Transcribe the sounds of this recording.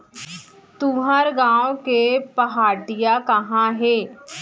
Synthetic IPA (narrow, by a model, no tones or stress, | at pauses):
t̪uːɦəɾɡãːõkepəɦaːɖɪjaːkəɦãːɦeː